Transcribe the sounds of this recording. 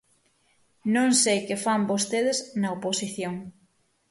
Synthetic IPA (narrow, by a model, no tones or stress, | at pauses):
nõŋsejkefambost̪eðeznɐoposiθjoŋ